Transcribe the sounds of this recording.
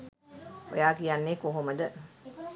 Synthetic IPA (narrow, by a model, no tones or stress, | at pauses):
o̰jaːkijanːeːkoɦoməd̪ə